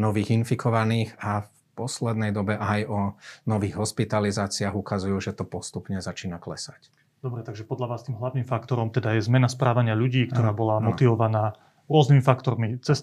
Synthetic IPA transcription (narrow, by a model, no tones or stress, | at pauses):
nɔʋiːɣinfikʰɔʋaniːɣaf | pɔslɛd̪nɛjd̪ɔbɛʔajɔnɔʋiːɣɦɔspit̪alizaːt͡siaːɣukazujuːʒɛt̪ɔpɔst̪upɲɛzat͡ʃiːnaklɛ̰sac | d̪ɔbɾɛt̪aɡʒɛpɔd̪ʎaʋaːst̪iːmɦlaʋniːmfakt̪ɔɾɔmt̪ɛd̪ajɛzmɛnaspɾaːʋaɲɪaʎuɟiːkt̪ɔɾaːbɔlamɔt̪iʋɔʋanaː | ɾʊɔznimifakt̪ɔɾmit͡sɛs